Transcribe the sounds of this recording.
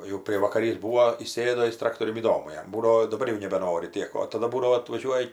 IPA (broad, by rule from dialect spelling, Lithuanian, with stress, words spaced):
jɛʊ pʲrʲiɛʋɐkɐˈrʲiːs ˈbuːoː iːˈsʲeːdoː ˈjɪs ˈtrɑːktoːrʲʊn iːˈdoːmʊ ˈjɛm ˈbuːdɐʋoː dɐˈbɐr jɛʊ nʲɛbʲɛˈnoːrʲɪ ˈtʲiɛk oː tɐˈdɐ ˈbuːdɐʋoː ɐtʋɐˈʒʲuɔjɛ